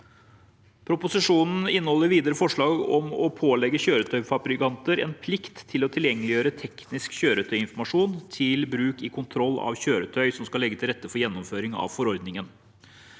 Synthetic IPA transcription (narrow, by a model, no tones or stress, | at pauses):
pʰɾʊpʊsɪʂuːnn̩ɪnːəhɔlːəɾʋiːd̪əɾəfɔʂɭɑːɡɔmɔpʰoːlɛɡːəçøːɾət̪ʰœʏfɑpɾɪkɑnt̪əɾɛ̰npʰlɪkt̪ʰːɪlɔt̪ʰɪljɛŋːəlɪjøːɾət̪ʰɛknɪskçøːɾət̪ʰœʏɪnfɔmɑʂuːnt̪ʰɪlbɾʉːkɪkʰʊnt̪ʰɾɔlːɑ̰ʋçøːɾət̪ʰœʏsɔmskɑlɛɡːət̪ʰɪlɾɛt̪ːəfɔɾjɛnːɔmføːɾɪŋɑ̰ʋfɔɾɔɾd̪nɪŋən